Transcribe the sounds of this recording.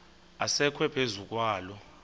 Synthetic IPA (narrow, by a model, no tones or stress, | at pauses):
asɛkʰwɛpʰezuk̬ʼwaːlɔ